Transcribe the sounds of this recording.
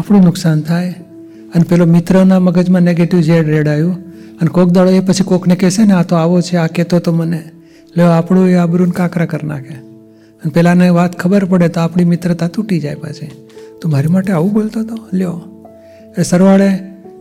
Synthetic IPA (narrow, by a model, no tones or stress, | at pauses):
apɽ̃ũnʊksant̪ʰaj | ənepɛlomɪt̪ɾənaməɡəd͡ʒmãneɡeʈiʋd͡ʒeɽɾeɽajũənekok̚ʰd̪aɭoepət͡ʃʰikokʰnekeseneat̪oaʋot͡ʃʰeaket̪ot̪oməne | leoapɽ̃ũeabɾunkakɾakəɾna̰kʰe | ənepɛlaneʋat̪kʰəbəɾpəɽet̪oapɽ̃imɪt̪ɾət̪ãt̪uʈid͡ʒajpa̰t͡ʃʰe | t̪omaɾimaʈeaʋũbolt̪ot̪oljo | eesəɾʋaɭe